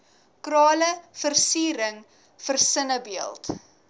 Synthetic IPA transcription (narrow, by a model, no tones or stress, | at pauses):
krɑːləfərsiːɾəŋ | fərsənəbiəlˠt